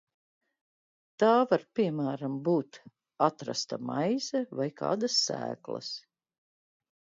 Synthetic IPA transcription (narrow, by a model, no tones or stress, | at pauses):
t̪aːvaɾpiɛmæːɾambuːt̪ | at̪ɾa̰st̪amajzɛvajka̰ːd̪asːæ̰ːklˠɐ̰s